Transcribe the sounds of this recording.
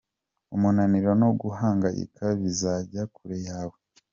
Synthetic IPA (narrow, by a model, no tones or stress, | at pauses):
umunaniɾonoɡuɦaːŋɡaʔḭkʰaβizaɟakuɾejaːwe